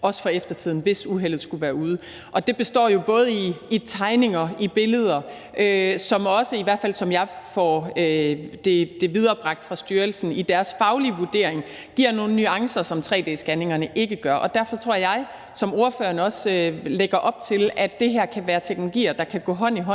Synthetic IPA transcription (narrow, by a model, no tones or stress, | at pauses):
ɒ̽sə̥fɒ̽efd̥ɐt͡sʰið̞̰ˠn̩ʋe̝suɦel̰ð̞̩ˠsɡ̥uʋæːɐuːð̞ˠə | ʔɒ̽d̥e̝b̥e̝sd̥ɒ̰ːjo̝b̥ɔ̽ːð̞̩ˠəiːt͡sʰɑ̈ɪne̝ŋɐib̥e̝ləð̞ˠɐ | ʔøsɒ̽mɒ̽səiʋæɐd̥fæl̰sɒ̽mjɑ̈ɪfɒød̥e̝d̥e̝ʋið̞ˠɐːb̥ʁɑ̈ɡ̥̚d̥fʁɑ̈sd̥yːɐlsn̩id̥æɐsfɑ̈ʊliʋuɐd̥e̝̰ɐ̰eŋ | ɡ̥iɐ̰no̝ːn̩nyɑ̈ŋsɐsɒ̽mt͡sʰʁɛ̰ːd̥ḛːsɡ̥æne̝ŋɐnəʔe̝ɡ̥əɡ̥ɶɐʔɒ̽d̥æɐfɒ̽t͡sʰʁo̝ɐ̰jɑ̈ɪ | sɒ̽mo̝ɐføːɐnəɒ̽søleɡ̥ɐʔɒ̽b̥̚t͡sʰe̝læd̥e̝ɦæɐ̰kʰæʋæːɐt͡sʰeɡ̥nolo̝ɡ̥ḭːɐd̥ɑ̈kʰæɡ̥ɔ̰̽ːɦɒ̽n̰iɦɒ̽